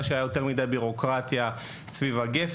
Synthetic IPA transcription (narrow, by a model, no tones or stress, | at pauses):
aʃeajajo̞te̞ʁmidajbiʁo̞kʁat̪ja | svivaɡef